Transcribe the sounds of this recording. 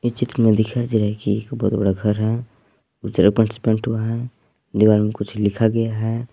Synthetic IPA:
ɪt͡ʃɪt̪ɾəmẽd̪ɪkʰad͡ʒeɾɛɦɛkiekbɔɦːt̪bɐɽaɡʱəɾɦɛ | ʊt͡ʃəɾəɡ̚pəʈɪsɪ̥pə̃ɳʈɦuaɦɛ | d̪iʋaːɾmẽkʊt͡ʃʰlɪkʰaɡɐjaɦɛ

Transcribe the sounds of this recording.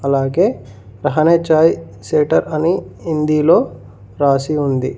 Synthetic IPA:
ɐlaːɡe̞ː | ɾɐɦɐneːt͡ʃaːj | seːʈɐɾɐniːnd̪iːlo̞ː | ɾaːsiund̪ḭ

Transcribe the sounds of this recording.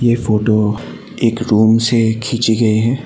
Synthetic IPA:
jefoːʈo | eːkɾuːmsekʰiːt͡ʃiɡɐiɦɛ̃ː

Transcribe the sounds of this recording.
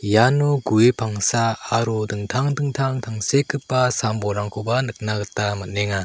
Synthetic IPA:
januɡuepʰaŋsaːɾudɯŋtʰaŋdɯŋtʰaŋtʰaŋsekʰɯp̚ːasambɔɾaŋkʰɔbanɯk̚naɡɯtamɯt̚neŋa

